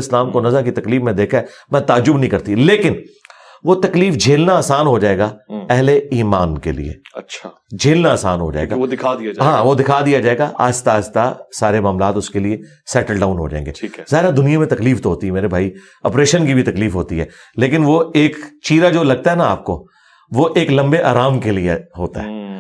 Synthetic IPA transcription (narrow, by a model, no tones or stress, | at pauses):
ɪslaːmkonɐzakit̪ɐkliːfmẽd̪eːkʰaɛmɛ̃t̪aːd͡ʒːʊbnəɦĩkɐɾt̪ileːkɪn | ʋot̪ɐkliːfd͡ʒʱeːlnaaːsaːnɦod͡ʒaːeːɡaɛɦleiːmaːnkḛlḭḛːɐt͡ʃʰa | d͡ʒʱeːlnaːsa̰ːnɦo̰d͡ʒa̰ːḛɡa̰ɪaɦãːʋod̪ɪkʰaːd̪ijad͡ʒaːeːɡaʔa̰ːst̪aːst̪asaːɾemaːmlaːt̪ʊskelie | sɛːʈəlɖaːʊnɦo̰d͡ʒa̰ːḛ̃ːŋɡḛːzaːɦɪɾad̪ʊnijãmẽt̪ɐkliːft̪oɦoːt̪iɦɛmeːɾebʱaːi | ɐpɾeːʃənkibʱit̪ɐkliːfɦoːt̪iɦɛː | leːkɪnʋoeːkt͡ʃiːɾad͡ʒoːlɐɡ̚t̪aɦɛnaa̰ːp̚ko | ʋoːʔeːklɐ̃mbeʔa̰ːɾaːmkelieɦoːt̪a̰ɦɛ̰ː